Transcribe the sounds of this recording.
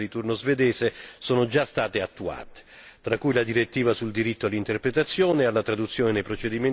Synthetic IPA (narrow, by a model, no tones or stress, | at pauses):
ɾit̪urnozved̪ɛːsesoːnod͡ʒast̪aːt̪eat̪ːua̰ːt̪e̥ | t̪ɾakːujlad̪iɾet̪ːiːvasuld̪iɾit̪ːoalːint̪erpɾet̪at̪sːjoːnealːat̪ɾad̪ut̪sːjoːnenejpɾot͡ʃed̪imen